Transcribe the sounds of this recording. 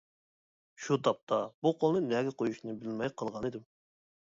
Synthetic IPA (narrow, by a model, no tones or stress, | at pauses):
ʃut̪ʰɑp̚t̪ʰɑbuqʰolˠnɨnɛɡʲɛqʰojuʃnɨbɪlmɛjqʰəlˠʁɑnɨd̪ɪm